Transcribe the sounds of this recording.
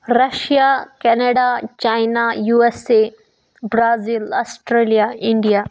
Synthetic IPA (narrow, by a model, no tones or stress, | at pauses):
ɾɐʃijakɛneɖat͡ʃaːjnajuːese | bɾaːzilaːsʈɾeːlijaɪ̃ɳɖijaː